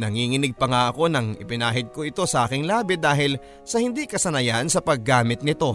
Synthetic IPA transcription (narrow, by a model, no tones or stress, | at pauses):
nɐŋiːŋɪnɪɡ̚pɐŋaʔɐko̞nɐŋɪ̰pɪnaːɦɪd̪̚ko̞ʔɪt̪o̞sɐʔaːkɪŋlaːbɪd̪aːɦɪl | sɐhɪnd̪ikɐsɐnɐjansɐpɐɡ̚ːaːmɪt̪̚nɪt̪o̞